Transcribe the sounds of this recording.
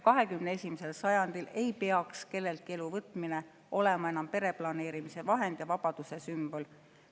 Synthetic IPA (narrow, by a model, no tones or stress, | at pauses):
kɑɦe̞kymnee̞sʲimise̞lsɑjɑnd̪̥ile̞jpeɑkske̞lːe̞lt̪̚kie̞luvɤt̪ːˑmine | o̞le̞mɑenɑmpe̞ɾe̞plɑne̞ːɾimise̞vɑɦe̞nd̪̥jɑvɑb̥ɑd̪̥use̞symb̥o̞l